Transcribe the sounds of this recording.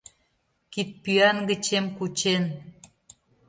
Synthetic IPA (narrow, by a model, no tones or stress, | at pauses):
kit̪̚pyɑnɡə̆t͡ɕemkut͡ɕen